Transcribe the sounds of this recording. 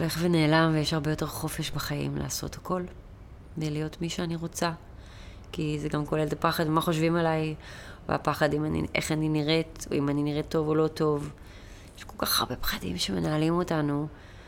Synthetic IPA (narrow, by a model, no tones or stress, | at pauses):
ole̞χvene̞ːlamvejeʃaʁbe̞jo̞teʁχo̞fe̞ʃbaχajḭmla̰ːso̞̰thako̞l | velijo̞tmiʃeaniʁo̞t͡sa | kizeɡamko̞le̞lt̪apaχadmaχo̞ʃvimalajv̰a̰paχadimanḭʔeχaniniʁe̞to̰imaniniʁetːo̞volo̞to̞v | jeʃko̞lkaχa̰ʁbe̞pχadḭmʃeme̞naːlimo̞tanu